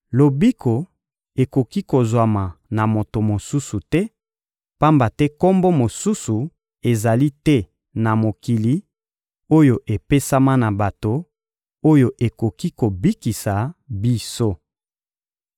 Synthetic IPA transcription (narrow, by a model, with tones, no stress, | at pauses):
lo˨bi˦kʰo˨ | e˨ko˨ki˦ko˨zwa˨ma˨na˨mo˨to˨mo˨su˦su˨tɛ˦ | pa˦mba˨tɛ˦ko˦mbo˦mo˨su˦su˨ | e˨za˨li˦tɛ˦ | na˨mo˨ki˨li˦ | o˦jo˨ʔe˨pe˦sa˦ma˦na˨ba˨to˨ | o˦jo˨ʔe˨ko˨ki˦ko˨bi˦ki˨sa˨bi˦so˦